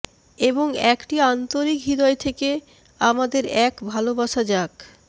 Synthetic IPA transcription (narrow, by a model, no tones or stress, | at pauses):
eboŋɛkʈiant̪oɾikɦid̪ɔet̪ʰeke | amad̪eɾɛkbʱalobaʃad͡ʑak